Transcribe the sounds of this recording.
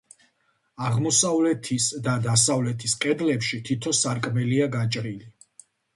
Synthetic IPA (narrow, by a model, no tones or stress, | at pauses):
aʁmɔsavlɛt̪ʰisd̪ad̪asavlɛt̪ʰisqʼɛd̪lɛpʃit̪ʰit̪ʰɔsaɾkʼmɛliaɡat͡ʃʼɾili